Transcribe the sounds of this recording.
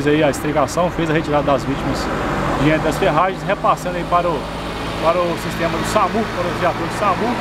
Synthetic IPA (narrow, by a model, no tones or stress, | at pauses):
zɐiɐist̪ɾikasɐ̃w̃fezɐɦet͡ʃiɾad̪ɐd̪ɐzvit͡ʃimɐsd͡ʒɪẽt̪d̪ɐsfeɦaʒẽsɦepasɐ̃nd̪ɐipaɾʊ | paɾʊsist̪ẽmɐd̪ʊsamupaɾʊʒiat̪oɾd̪ʊsamu